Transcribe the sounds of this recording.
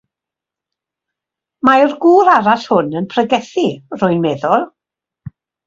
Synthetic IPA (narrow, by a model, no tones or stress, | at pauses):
majrɡuːɾaɾashʊnənpʰrəɡɛθir̥ʊɨnmeðɔlˠ